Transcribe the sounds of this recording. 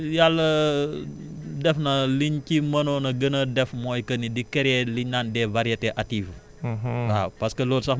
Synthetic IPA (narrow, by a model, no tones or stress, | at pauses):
jalːɐ | dɛfnɐliɲcimɐnonɐɡənɐdɛfmɔːjkɐnidikɛɾɛliɲnaːndɛvɐɾijɐtɛʔatːiːv | apɐskəloːlsɐ